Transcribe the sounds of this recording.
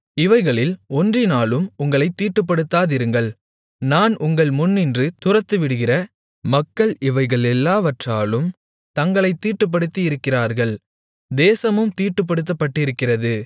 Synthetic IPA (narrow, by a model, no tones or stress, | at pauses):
ɪʋɐɪɣɐɭɪlɔndrɪnaːɭɯmʊŋɡɐɭɐɪt̪ːiːʈːɯp̬ːɐɽɯt̪ːaːðɪɾɯŋɡɐɭ | naːnʔʊŋɡɐɭmʊnːɪndrɯt̪ʊrɐt̪ːɯʋɪɽɯɣɪrɐ | mɐkːɐɭɪʋɐɪɣɐɭɛlːaːʋɐʈraːlɯm | t̪ɐŋɡɐɭɐɪt̪ːiːʈːɯp̬ːɐɽɯt̪ːiɪɾɯkːɪraːɾɣɐɭ | d̪eːsɐmɯmt̪iːʈːɯp̬ːɐɽɯt̪̬ːɐpːɐʈːɪɾɯkːɪrɐðɯ